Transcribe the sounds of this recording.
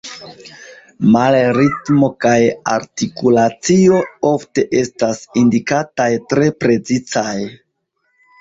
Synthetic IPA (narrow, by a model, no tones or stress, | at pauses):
malɾitmo̞kaja̰ɾtikulat͡sio̞o̞fte̞ʔe̞stasindikatajtɾe̞pɾe̞t͡sit͡saj